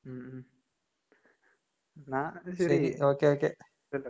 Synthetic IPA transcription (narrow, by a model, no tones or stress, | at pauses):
m | nãɕsɐɐɾioːkeoːke | ɐl